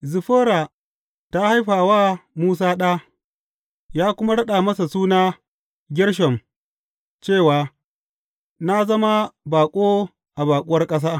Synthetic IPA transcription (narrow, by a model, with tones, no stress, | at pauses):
zɪ˨ɸoː˦ɾaː˨ | ta˦ha˦jɸaː˨waː˦muː˦s̬aː˦ɗaː˦ | jaː˦kʷʊ˦ma˦ɽɐ˦ɗa˨mɐ˦sa˨suː˦naː˦ | ɡʲɪ˦ɽʃ̬ɐ˨m | t͡ʃeː˦˨waː˨ | na˦zɐ˦ma˦baː˨kʷʼoː˦ | ʔa˨baː˨kʷʼʊ˦wɐ˦rkʼɐ˦s̬aː˦